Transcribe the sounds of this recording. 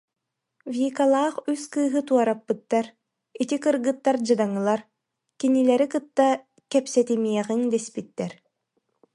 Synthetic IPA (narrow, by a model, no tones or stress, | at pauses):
vʲiːkalˠaːχyskɯːɦɯt̪uɔɾapːɯt̪ːaɾ | it̪ikɯɾɡɯt̪ːaɾd͡ʑɯd̪aŋɯlˠaɾ | kinilɛɾikɯt̪ːa | kɛpsɛt̪imiɛʁiŋd̪ɛspit̪ːɛɾ